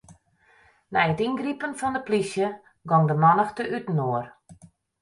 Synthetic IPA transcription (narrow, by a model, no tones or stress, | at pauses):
nɛjətinɡripənfɔndəplisjə | ɡɔŋdəmɔnəxtəʔytn̩oər